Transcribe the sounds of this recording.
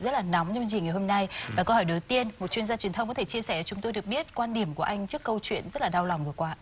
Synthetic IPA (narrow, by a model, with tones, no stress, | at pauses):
zə˦˥t̚laː˨˩nɔ˨˦wŋ͡mt͡ɕzi˨˩ŋa˨˩jho˧mna˧jvaː˨˩kə˧whɔ˧˩jɗo˨˦t̪i˧ənmo˨˩t̚t͡ɕwi˧ənzaː˧t͡ɕwi˨˩ənt̪ʰə˧ŋ͡mkɔ˨˦t̪ʰe˧˩t͡ɕi˧əsɛ˧˩a˨˩t͡ɕʊ˨˦ŋ͡mt̪o˧jɗək̚ɓi˦˥ət̚kwaː˧nɗi˧˩əmku˧˩əʔa˧jŋ̟t͡ɕɨ˦˥əkːə˧wt͡ɕwḭ˧˨ənzə˦˥t̚laː˨˩ɗaː˧wla˨˩wŋ͡mvɨ˨˩əkwaː˧